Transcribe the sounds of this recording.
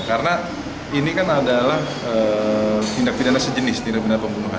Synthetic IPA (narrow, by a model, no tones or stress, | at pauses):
kaɾəna | inikanadalah | ə | t̪indak̚pidanasəd͡ʒənɪst̪inak̚bənarpəŋbunuɦa̰